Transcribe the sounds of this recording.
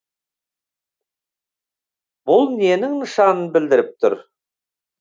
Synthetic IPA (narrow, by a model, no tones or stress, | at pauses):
bʊlˠne̞nɪŋnəʃɑnənbɪld̪ɪɾɪp̚t̪ʰʊ̰ɾ